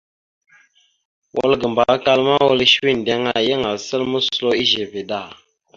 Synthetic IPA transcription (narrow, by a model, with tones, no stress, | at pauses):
wʔo̰˦lɡə˨mba˨˦ka˦lma˦wo˦lʃwi˦˨n˨dɛ˦ŋa˦˨jə˦ŋa˨lsə˦lmə˦slo˦i˦ʒe˨ve˨da˦˨